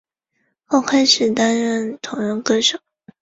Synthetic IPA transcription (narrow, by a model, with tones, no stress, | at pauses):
xo˥˩ʊkʰa˥ɪʂɻ̩˨˩t̪a˥nɻə˥˩nt̪ʰʊ˧˥ŋɻə˧˥ŋkɤ˥˩ʂo˨˩˦